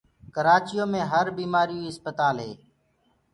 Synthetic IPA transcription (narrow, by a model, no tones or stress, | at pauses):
kəɾaːt͡ʃɪjoːmẽːɦəɾbiːmaːɾijũːɦɪspət̪aːlɦeː